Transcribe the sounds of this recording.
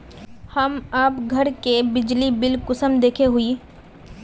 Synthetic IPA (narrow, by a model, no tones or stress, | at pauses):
hɐmaːpɡʱɐɾkebɪd͡ʒlibɪlkʊsəmd̪eːkʰeɦʊi